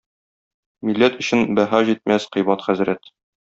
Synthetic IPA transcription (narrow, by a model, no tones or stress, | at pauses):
milːæt̪ɵ̆ɕɘnbæɦɑʑit̪̚mæsqɤ̆jbɑt̪χæzɾæt̪